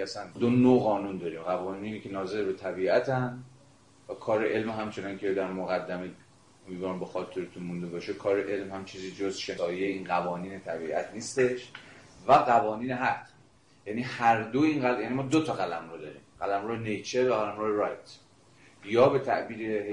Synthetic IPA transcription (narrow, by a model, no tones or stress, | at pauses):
æsænd̪onoɣɒːnund̪ɒːɾiːmɢævɒːniːnicʰe̞nɒːze̞ɾbe̞t̪ʰæbiːʔæt̪ʰæn | vækʰɒːɾeʔelmɦæmt͡ʃʰe̞ninkʲʰed̪æɾmoɣæd̪ːæme | omid̪vɒːɾmbexɒːt̪ʰːuɾet̪ʰunmund̪e̞bɒːʃekʰɒːɾeʔe̞lmhæmt͡ʃʰiːziːd͡ʒozʃeɒːjejeiːnɣævɒːniːnet̪ʰæbiːʔæ̰t̪ʰniːst̪e̞ʃvæɣævɒːniːneɦæt̪ | jæniːhæɾd̪oinɣæljænimɒːd̪ot̪ʰɒɣælæmɾod̪ɒːɾḭːmɢælæmɾojenejt͡ʃʰevæɣælæmɾoːjeɾɒjt̪ʰ | jɒːbe̞t̪ʰæ̰ʔbiːɾehe